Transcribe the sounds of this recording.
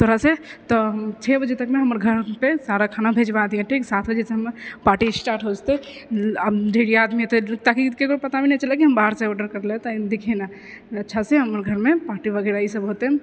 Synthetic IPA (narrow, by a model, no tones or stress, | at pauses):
t̪ʰoɾaset̪ɔmt͡ʃʰebəd͡ʒet̪əkmeɦəməɾɡʱəɾpesaɾakʰanabʱed͡ʒbad̪ijãʈʰiksat̪ʰbəd͡ʒeseɦəmpaɾʈisʈaɾʈɦod͡ʒt̪e | d̪ʱeɽijaːd̪miɦot̪et̪akikeɡopət̪abinɛt͡ʃəlekiɦəmbaɦɾsaɔɾɖəɾkəɾlet̪ɔd̪ekʰena | ətːʃʰaseɦəməɾɡʱəɾmepaːɾʈibəɡɛɾaisəbɦot̪e